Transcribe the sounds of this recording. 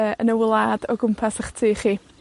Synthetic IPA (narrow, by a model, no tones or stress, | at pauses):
əːənəwɪlˠaːdɔɡʊmpʰasəχtʰiːχiː